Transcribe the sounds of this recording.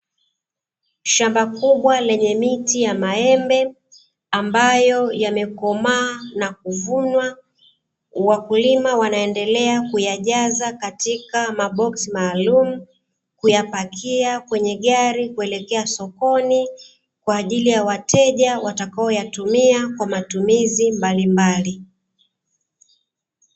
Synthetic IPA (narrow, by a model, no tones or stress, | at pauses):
ʃambakuɓwalɛɲɛmitijamaɛmbɛ | ambajɔjamɛkɔmaːnak̚uvunwa | wakulimawanaɛndɛlɛakujaʄazakatikamaɓɔksimaːlumu | kujapakʰiakwɛɲɛɠaɾikuɛlɛkɛasɔkɔni | kwaːʄilijawatʰɛʄawatakaɔjatumiakwamatumizimbalimbali